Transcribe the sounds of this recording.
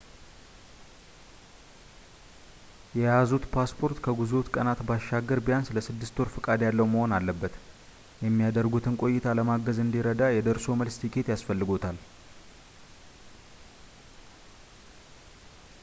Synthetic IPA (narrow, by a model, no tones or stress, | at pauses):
jɛjazut̪pʰaspʰo̞ɾt̪kʰəɡuzot̪kʼənat̪baʃːaɡːəɾbijansɨləsɨd̪ːɨst̪ʰo̞ɾfɨkʼad̪jalːəwməho̞nalːəbːət̪ | jɛmːijad̪əɾɡut̪ʰɨnkʼo̞jːɪt̪ʰaləmaɡəzɨnd̪iɾəd̪ajɛd̪əɾso̞məlst̪ʰikʰe̞t̪jasfəlːɨɡo̞t̪ʰal